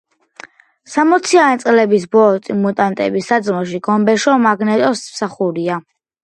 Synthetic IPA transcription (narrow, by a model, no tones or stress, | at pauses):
samɔt̪sʰiant̪sʼlɛbisbɔt̪ʼimut̪ʼant̪ʼɛ̰bisad̪zmɔʃiɡɔmbɛʃɔmaɡnɛt̪ʼɔsmsaχuɾia